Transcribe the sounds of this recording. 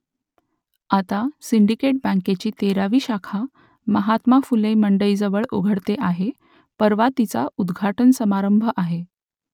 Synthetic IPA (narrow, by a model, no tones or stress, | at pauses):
at̪asiɳɖikeʈ̚bə̃ŋket͡ɕiːt̪eɾaʋiːɕakʰa | məɦat̪mafuleməɳɖəiːd͡zəʋəɭoɡʱəɽt̪eʔaɦe | pəɾʋat̪it͡sa̰ud̪ɡʱaʈənsəmaɾəmbʱəʔaɦe